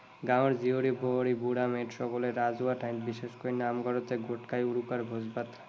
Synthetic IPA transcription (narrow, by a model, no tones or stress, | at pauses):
ɡãwɾd͡ʑioɾibʱoɾibuɽameʈɾɔkoleɾːad͡ʑuaʈʰajnt̪biʃeʃkoinamɡɔɾot̪eɡoʈkajuɾukaɾbʱod͡ʑbat̪